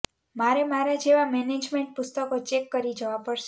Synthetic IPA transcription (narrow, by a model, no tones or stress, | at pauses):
maɾemaɾad͡ʒeʋamɛned͡ʒmeɳʈ̚pʊst̪əkot͡ʃɛkːəɾid͡ʒəʋapəɾʃe